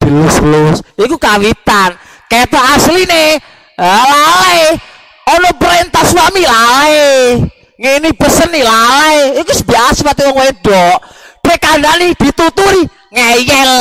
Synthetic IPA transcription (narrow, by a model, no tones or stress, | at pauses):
b̥ilɪslʊsikukawit̪anket̪aasline | alale | ɔnɔpəɾent̪ahswamilale | ŋinib̥əsənːilaleikusbiaaspərt̪iwɔŋweɛɖ̥ɔʔb̥ekandanid̪̥i̤t̪ut̪uɾi | ŋejɛl